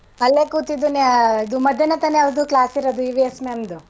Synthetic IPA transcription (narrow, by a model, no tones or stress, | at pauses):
ɐlːekut̪id̪uneid̪umɐd̪ʱjɐnɐt̪ɐneɐʋd̪uklaːsiɾɐd̪uiʋiesmeɐmd̪u